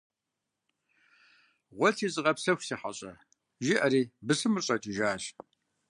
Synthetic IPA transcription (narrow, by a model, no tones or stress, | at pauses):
ʁʷɔtʰiːzɨʁɐpsɐxʷsiːħa̰ɕʼɐ | ʒɪʔɐɾiːbɨsɨmɨrɕʼɐtʰʼiʒaːɕ